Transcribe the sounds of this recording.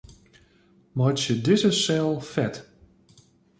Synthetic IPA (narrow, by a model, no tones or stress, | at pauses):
mɔt͡ʃədɪzəsɛlˠfɛt